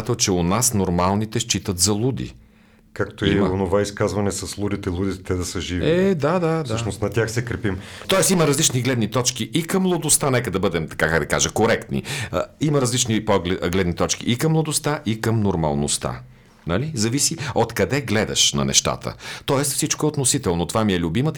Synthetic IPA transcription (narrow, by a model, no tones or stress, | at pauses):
t̪ɛlˠt͡ʃɛʊnasnoɾmalˠnit̪ɛʃt͡ʃit̪ət̪zɐlˠud̪ḭ | kakt̪oionovaiskazvɐnɛsɐslˠud̪it̪ɛlˠud̪it̪ɛt̪ɛd̪ɐsɐʒiviɛd̪ad̪adsəʃnost̪nɐt̪ʲjaxsɛkɾɛpimt̪ɔɛsiməɾɐzlit͡ʃniɡlɛd̪nit̪ɔt͡ʃk̟iʔikɐmːlˠod̪ʊst̪anɛkəd̪ɐbɤd̪ɛmt̪ɐ̥kakaɡd̪ɐka̰ʒɐkoɾɛkt̪nḭiməɾɐzlit͡ʃnipɔɡlɛɡlɛd̪nit̪ɔt͡ʃkḭʔikɐmːlˠɐd̪ost̪aʔikəmnoɾmɐ̰lˠno̰st̪a̰ | nɐlizɐvisiot̪kɐd̪ɛɡlɛd̪ɐ̰ʃnɐ̰nɛ̰ʃt̪a̰t̪ə̰t̪ɔɛst̪fsit͡ʃkoɛot̪nosit̪ɛlˠnot̪ovamiɛlʲʊbimət̪